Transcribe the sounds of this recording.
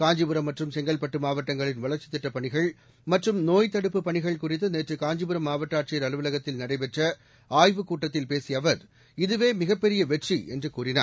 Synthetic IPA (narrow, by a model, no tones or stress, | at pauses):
kaːɲd͡ʒɯbɯɾɐmːɐʈrɯmsɛŋɡɐlpɐʈːɯmaːʋɐʈːɐŋɡɐɭɪnʋɐɭɐɾt͡ʃːɪ̥t̪ːɪʈːɐpɐɳɪɣɐɭ | mɐʈrɯmnoːjt̪ːɐɽɯpːɯpːɐɳɪɣɐɭkʊrɪt̪ːɯneːʈrɯkaːɲd͡ʒɪbɯɾɐmːaːʋɐʈːaːʈ̚t͡ʃɪjɐɾɐlɯʋɯlɐɣɐt̪ːɪlnɐɽɐɪpɛʈrɐ | aːjʋɯkuːʈːɐt̪ːɪlpeːsɪjɐʋɐɾ | ɪðɯʋeːmɪɣɐpːɛɾɪjɐʋɛʈriɛndrɯkuːrɪna̰ː